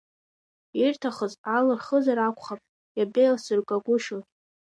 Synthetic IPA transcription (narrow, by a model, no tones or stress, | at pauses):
irtʰaχəzalɨrχəzaɾakʷʰʼχapʼ | jabejlsɨrkʼaɡʷʊʃltʼ